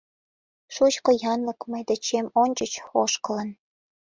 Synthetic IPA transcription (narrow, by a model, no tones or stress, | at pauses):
ʃut͡ɕkojɑnləkməjd̪ĕt͡ɕemonʲt͡ɕət͡ɕoʃkə̆lə̆n